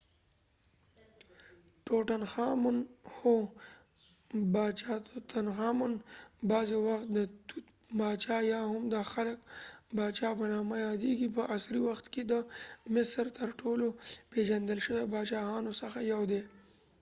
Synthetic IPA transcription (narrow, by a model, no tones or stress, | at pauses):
ʈoʈanxɑmʊnho | bɑt͡ʃɑt̪t̪anxɑmʊnbɑzewaxt̪̚d̪ət̪ut̪ | bɑt͡ʃɑjɑhʊmd̪əxaləkbɑt͡ʃɑpənɑmajɑd̪eɡipəʔasɾiwaxt̪ked̪əmɪsɾt̪əɾʈoloped͡ʒand̪əlʃədəbɑt͡ʃɑɦɑnosəxajawd̪e